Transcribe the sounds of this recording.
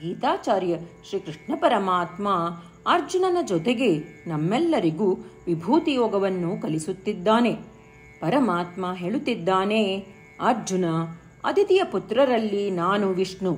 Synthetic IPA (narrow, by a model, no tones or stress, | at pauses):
ɡiːt̪aːt͡ʃaːɾjɐʃɾiːkɾɨʂɳɐpɐɾɐmaːt̪maː | ɐɾd͡ʒunɐnɐd͡ʒɔt̪eɡe̞nɐmːɛlːɐɾiɡuːʋibʱuːt̪ijɔːɡɐʋɐnːukɐlisut̪ːid̪ːaːne̞ | pɐɾɐmaːt̪maɦeːɭut̪ːid̪ːaːne | ɐɾd͡ʒunɐ | ɐ̰d̪it̪ijɐput̪ɾɐɾɐlːinaːnuʋiʂɳu